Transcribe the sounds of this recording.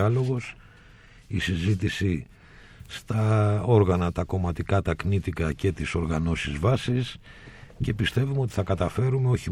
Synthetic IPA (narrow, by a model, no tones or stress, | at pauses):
ɐlo̞ɣo̞s | isizit̪isi | st̪ɐo̞ɾɣɐnɐt̪ɐko̞mɐt̪ikɐt̪ɐknit̪ikɐce̞t̪iso̞ɾɣɐno̞sizvɐsisce̞pist̪e̞vumeo̞t̪i̥θɐkɐt̪ɐfe̞ɾume̞o̞çi